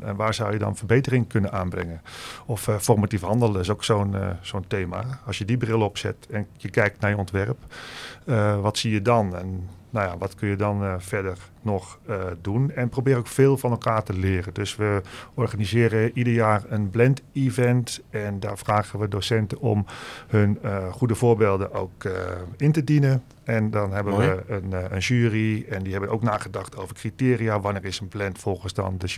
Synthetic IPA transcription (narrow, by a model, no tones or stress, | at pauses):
ɛ̰nʋaːɹzawjədɔ̰nfərbeːtərɪŋkʰønənaːnbrɪ̰ŋənɔffɔrmatifhɑndəlˠdɪs̬oksoːn̰soːnteːma̰ɑsjədibrɪlˠəɔpsɛ̰tɛnjəkɛjk̚tnajəɔntʋɛrəp | əʋɔtsijədɔnɛ̰nː | awjaʋɔtkønjədɔnfɛrdərnɔxdunɛnprobɪːɾokfeːlˠfɔnɛlˠkaːrtəlɪːrədøsʋəɔrɣanizɪːɾəʔidərjaːrənblɛntivɛntɛnda̰ːrfraːɣəʋədoːsɛntəɔ̰mhønxudəvoːɹbeːlˠdəʔo̰ːkɪntədinə | ɛndɔnɦɛbəʋəənənʒyːriɛndihɛbənoːwknaːɣədɑxtʰoːvərkritɪːriaʋaniːɹɪsənblɛntfɔlˠxənsdɔ̰ndə